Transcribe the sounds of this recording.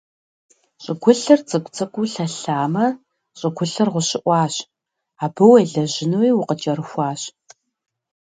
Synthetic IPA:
ɕʼɪɡʷʊɬɐrt͡sʼɨkʷʼt͡sʰʼɐkʷʼuɬɐɬaːmɐ | ɕʼəɡʷʊɬɐrʁʷʊɕɪʔʷɑːɕ | aːbɐwɐjɮɐʑɪnɨwiːwʊqət͡ʃʼɐɾɨxʷɑːɕ

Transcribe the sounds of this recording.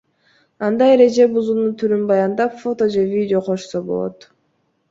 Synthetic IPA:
ɑnd̪ɑjeɾe̞d͡ʒe̞buzunuːt̪ʰyɾynbɑjɑnd̪ɑpfo̞t̪o̞d͡ʒevʲidʲɪo̞qʰo̞ʃsobo̞̰lˠo̞̰t̪

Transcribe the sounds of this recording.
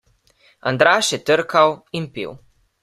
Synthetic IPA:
a̰nd̪ɾaːʃjɛt̪əɾkawimpḭw

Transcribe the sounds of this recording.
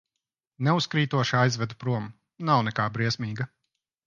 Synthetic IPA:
nɛuskɾiːt̪uɔʃajzvɛd̪upɾuɔm | nawnɛkaːbɾiɛsmiːɡɐ

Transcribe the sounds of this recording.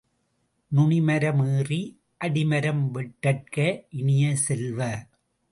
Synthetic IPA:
nʊɳɪmɐɾɐmɯːri | ʔɐɽɪmɐɾɐmʋɛʈːɐʈ̚kɐʔɪnɪjɐsɛlʋɐ

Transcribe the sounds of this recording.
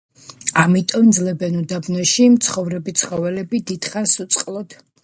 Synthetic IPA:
amit̪ʼɔmd̪zlɛbɛnud̪abnɔʃimt̪sʰχɔvɾɛbit̪sʰχɔvɛlɛbid̪id̪̥χasut̪sʼqʼlˠɔd̪̥

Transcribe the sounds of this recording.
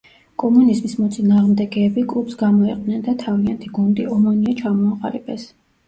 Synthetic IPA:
kʼɔmunizmismɔt̪sʼinaːʁmd̪ɛɡɛːbikʼlˠupsɡamɔiqʼd̪nɛnd̪at̪ʰaviant̪ʰiɡund̪iɔmɔniat͡ʃʰamɔaqʼa̰ɾibʼɛs

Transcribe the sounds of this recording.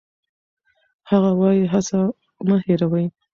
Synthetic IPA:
haɣawɑjiɦasa | məheɾawəj

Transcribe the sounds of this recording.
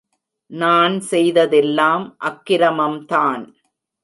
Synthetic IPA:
naːnsɛjðɐðɛlːaːmʔɐkːɪɾɐmɐmt̪aːn

